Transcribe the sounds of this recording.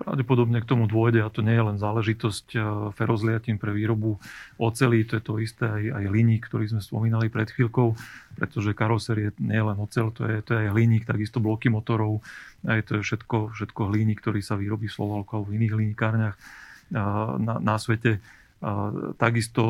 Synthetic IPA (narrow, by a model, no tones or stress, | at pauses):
pɾa̰ʊɟɛpɔd̪ɔbɲɛkt̪ɔmud̪ʊɔjɟɛat̪ɔɲɛjɛlɛnzaːlɛʒit̪ɔscfɛɾɔzlɪacinpɾɛʋiːɾɔbuɔt͡sɛliːt̪ɔjɛt̪ɔist̪ɛajajɦliɲiːkːt̪ɔɾiːzmɛspɔmiːnalipɾɛt̪xʋiːlkɔʊpɾɛt̪ɔʒɛkaɾɔsɛɾjɛɲɛjɛlɛnɔt͡sɛlt̪ɔ̰jɛt̪ɔjɛajɦliɲiːkt̪aɡist̪ɔblɔkimɔt̪ɔɾɔʊajt̪ɔjɛfʃɛt̪kɔfʃɛt̪kɔɦliɲiːkt̪ɔɾiːsaʋiːɾɔbiːslɔ̰ʋalkɔalbɔviniːɣliɲikaːɾɲax | na̰nasʋɛcɛ | t̪aɡist̪ɔ